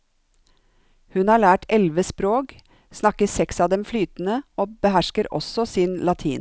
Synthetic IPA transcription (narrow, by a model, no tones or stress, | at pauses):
hʉnhɑːɭæːʈɛlʋəspɾoːk | snɑkəsɛksɑːd̪ɛmflyːt̪n̩əoːbəɦæʃkəɾɔ̰sɔsɪnlɑt̪ʰḭːn